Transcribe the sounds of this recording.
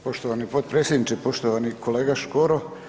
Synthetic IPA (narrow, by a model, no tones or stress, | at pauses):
po̞ʃt̪oʋanipod̪pɾeːsjed̪nit͡ʃepo̞ʃt̪oʋanikʰoleːɡaʃkoɾo